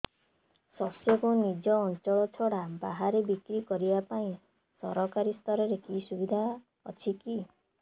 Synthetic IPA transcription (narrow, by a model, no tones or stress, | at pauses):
sɔsjɔkunid͡ʒɔːnt͡ʃɔɭɔt͡ʃʰɔɽabaɦaɾebikɾikɔɾibapaĩ | sɔɾɔkaɾist̪ʰɔɾɔɾekisubid̪ʱa | ɔt͡ʃʰiki